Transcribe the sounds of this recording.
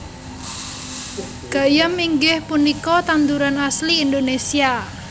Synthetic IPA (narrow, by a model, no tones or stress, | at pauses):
ɡ̥a̤jəmːiŋɡɪhpunikɔt̪and̪uɾanasliːnd̪onesia